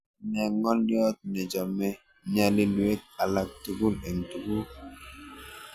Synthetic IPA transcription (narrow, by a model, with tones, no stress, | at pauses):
nɛ˨ŋɔ˦ljɔ˦t̚nɛ˨d͡ʒɔ˨mɛ˦ | ɲa˨li˦lu˨e˦k̚a˨la˨k̚tu˨ɡu˦lɛ˨ŋtu˨ɡu˦